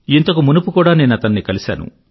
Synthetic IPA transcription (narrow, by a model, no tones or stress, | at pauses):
int̪ɐkumunupukuːɽaːne̞ːnuɐt̪ɐnːikɐlisa̰ːnṵ